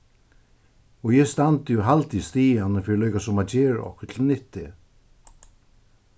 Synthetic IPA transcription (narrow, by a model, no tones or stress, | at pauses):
ɔjɛst̪ant̪ɪjuɦalt̪ist̪iːjanəfɪːɾɪlœɥkasʊmaðt͡ɕɛːɾ̰ɔ̰hkə̥t̪ʰɪlnɪht̪ːɪ